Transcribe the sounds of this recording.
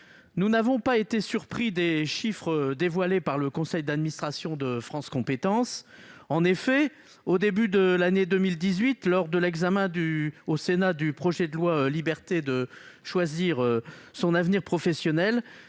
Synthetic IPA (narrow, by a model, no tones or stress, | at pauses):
nunavɔ̃paet̪esyʁpχid̪eʃifχəd̪evwalepaʁləkɔ̃sɛjd̪ad̪minist̪χasjɔ̃d̪əfχɑ̃skɔ̃pet̪ɑ̃sɑ̃nefɛ | od̪ebyd̪əlaned̪əmild̪izɥit̪lɔʁd̪əlɛɡzamɛ̃d̪yosenad̪ypχɔʒɛd̪əlwalibɛʁt̪ed̪əʃwaziʁøsɔ̃navniʁpχɔfɛsjɔnɛl